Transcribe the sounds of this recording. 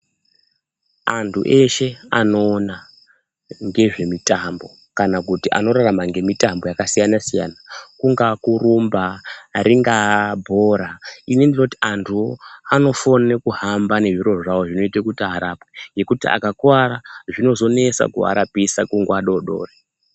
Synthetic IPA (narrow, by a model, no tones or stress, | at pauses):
antʰṵʔe̞ʃe̞ano̞ːna | ŋɡe̞ʐe̞mitambo̞ | kanakutiʔa̰no̞ɾaramaŋɡe̞mitambo̞jakasijanasija̰ːnakuŋɡakuɾumbaɾʔiŋɡabʱo̞ːɾainindino̞tiantʰuoano̞fonekuɦambane̞ʐiɾo̞ʐawoʐino̞itekutaaːɾapweŋɡe̞kutia̰kakwaɾaʐino̞zo̞ne̞sa̰kṵa̰ɾapisakuŋɡwaɗoɗo̞̰ːre